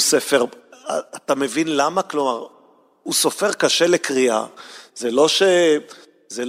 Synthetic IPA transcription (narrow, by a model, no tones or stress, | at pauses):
sefeʁat̪ame̞vinlamaklo̞maʁ | uso̞feʁkaʃelekʁia̰zelo̞ʃe | zel